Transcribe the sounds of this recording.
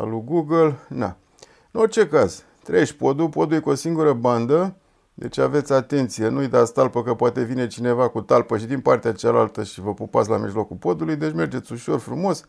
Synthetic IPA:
a̰luɡuɡəlna̰ | ɨno̞rt͡ʃe̞kaz | t̪ɾeeʃpo̞d̪upo̞d̪ulujkuo̞siŋɡuɾəband̪ə | d̪e̞̰t͡ʃave̞t̪sʲat̪e̞nt̪sije̞nuujd̪ast̪alpəkəpoat̪e̞vine̞t͡ʃine̞vakut̪alpəʃid̪inpart̪eat͡ʃalalt̪əʃivəpupat̪sʲlamiʒlo̞kulpo̞d̪ulujd̪e̞t͡ʃme̞rd͡ʒe̞t̪sʲuʃo̞rfɾumo̞s

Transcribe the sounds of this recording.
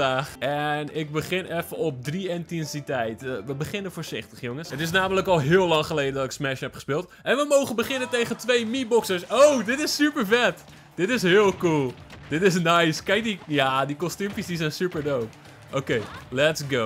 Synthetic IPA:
aːχɛnɪk̚bəχɪnɛfəɔp̚driɪntɛnsitɛjtʋəbəχɪnənfoːɹzɪχtəχjoŋəsətɪs̬naːmələkɔlˠɦɪəlːɑŋχəlejdədɔtɪksmɛʃhɛpχə̥spɪːlˠtʔɛnʋəmowχənbəχɪnəntejχəntʋejmibɔksəɹsowdɪtɪsːypəɹfɛt | d̥ɪtɪsɦɪəlˠkulˠd̥ɪtɪsnajskɛjk̚dijadikɔstymfisdisɛjnsypəɹdowp | ʔokejlɛtsɡo

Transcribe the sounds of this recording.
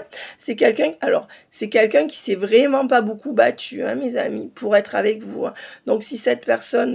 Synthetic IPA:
sɛkʲɛlkʲɛ̃alɔʁ | sɛkʲɛlkʲœ̃kʲi̥sɛvʁɛmɑ̃pabokubat̪ʰyɛ̰̃meza̰mipʰuʁɛt̪χavɛkvuɛ̃d̪̥ɔ̃ksisɛt̪pɛʁsɔn

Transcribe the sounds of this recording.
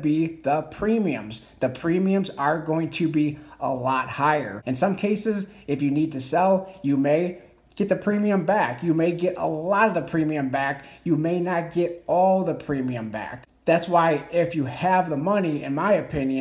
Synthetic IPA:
biðəpʰɹ̥ĩmiɨ̰̃mz̥ | ðɨpʰɹ̥ĩmiɨ̃mzə˞ɡoʊɪ̃ŋtʰɨbiə̰lɔt̚haɪə̰˞ɨ̃nsʌ̃mkʰeɪsɨzɨfjɨnid̚tʰɨsɛlˠjɨmeɪ | ɡ̥ɛt̪̚ðɨpʰɹ̥ĩmiɨ̃mbækjɨmeɪɡɛɾə̰lɔɾʌvðəpʰɹ̥ĩmiɨ̃mbækjɨmeɪnɨt̚ɡ̥ɛɾɔlˠðəpʰɹ̥ĩmiɨ̃mbæ̰k̚ | ðætswaɪɪfjɨɨvðəmʌniɪ̰̃nmaɪɨpʰɪ̃njɨ̃

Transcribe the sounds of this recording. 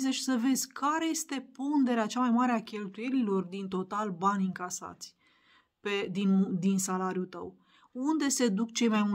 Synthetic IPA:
zeʃi̥səve̞d̪zʲkʰaɾe̞je̞st̪e̞pond̪e̞ɾeat͡ʃamajmaɾeakʲe̞lt̪uje̞lilo̞rd̪int̪o̞t̪albanʲɨŋkasa̰t̪sʲ | ped̪ind̪insalaɾjut̪ə̰w | und̪e̞se̞d̪ukt͡ʃe̞jmajmu

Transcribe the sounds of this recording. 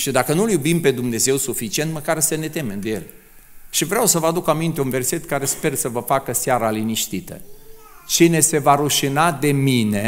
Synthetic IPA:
ʃid̪akənuljubimpe̞d̪umne̞ze̞wsufit͡ʃie̞nt̪məkaɾsəne̞t̪e̞me̞md̪eje̞̰l | ʃivɾeawsəvəad̪ukamint̪eunve̞rse̞t̪kaɾe̞spe̞rsəvəfakəsaɾaliniʃt̪it̪ə̰ | t͡ʃine̞se̞vaɾuʃinad̪e̞mine̞

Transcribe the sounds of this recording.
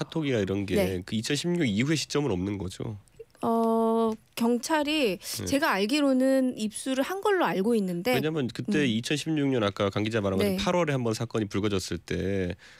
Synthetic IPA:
atʰoɡiɡaiɾʌnɡekɯit͡ɕʰʌnɕʰimɲuɡiɦwe̞ɕʰi̥t͡ɕ͈ʌmɯnʌmnɯnɡʌd͡ʑo̰ | ʌ | kjʌŋt͡ɕʰaɾit͡ɕe̞ɡaːɭɡiɾonɯnip̚s͈uɾɯɭhanɡʌɭːoaɭɡoinːɯnde̞weɲaɦamjʌnkɯt͈e̞it͡ɕʰʌnɕʰimɲuŋɲʌnak͈akaŋɡid͡ʑamaɾaŋɡʌpʰaɾwʌɾe̞hambʌnsʰak͈ʌɲipuɭɡʌd͡ʑʌs͈ɯɭt͈e̞

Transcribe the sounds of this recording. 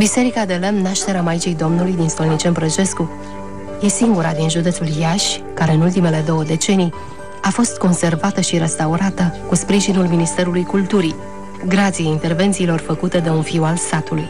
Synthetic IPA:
bise̞ɾikad̪elemnaʃt̪e̞ɾeamajit͡ʃijd̪o̞mnulujd̪inst̪o̞lnit͡ʃe̞npɾət͡ʃe̞sku | je̞siŋɡuɾad̪inʒud̪et̪suljaʃʲkaɾe̞ɨnult̪ime̞le̞d̪o̞wəd̪e̞t͡ʃe̞nij | afo̞st̪̚ko̞nse̞rvat̪əʃiɾest̪auɾat̪əkuspɾiʒinulminist̪e̞ɾulujkult̪uɾi | ɡɾat̪sijeint̪e̞rve̞nt̪siːlo̞rfəkut̪e̞d̪e̞unfiwalsat̪uluj

